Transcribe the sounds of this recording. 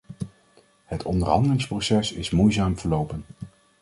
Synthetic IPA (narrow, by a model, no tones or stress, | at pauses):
hətʰɔndəɹɦɑ̰ndəlɪŋsprowsɛsɪsmujzaːmv̥əɹlowpən